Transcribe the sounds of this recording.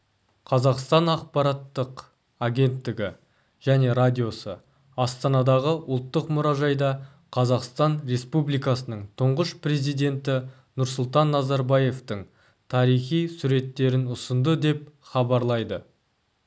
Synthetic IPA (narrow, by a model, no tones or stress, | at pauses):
qʰɑzɑqst̪ɑnɑq̚pɑɾɑt̪ːəq | aɡʲe̞nt̪ːɪɡʲɪ | ʒ̥æne̞ɾad̪ʲijo̞sə̰ | ɑst̪ɑnɑd̪ɑʁəʔʊlˠt̪ːəqmʊɾɑʒɑjd̪ɑ | qʰɑzɑqst̪ɑnre̞spublijkɑsənəɴt̪ʰʊɴʁəʃpre̞zijd̪e̞nt̪ɪ | nʊɾsʊlˠt̪ɑnːɑzɑɾbɑje̞ft̪əɴ | t̪ʰɑɾijχijsuɾe̞t̪ːe̞ɾɪnʊsənd̪əd̪e̞pχɑbɑɾlˠɑjd̪ə